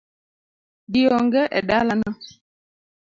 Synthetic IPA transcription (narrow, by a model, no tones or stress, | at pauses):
diɔŋɡɛʔɛ̰ɗalana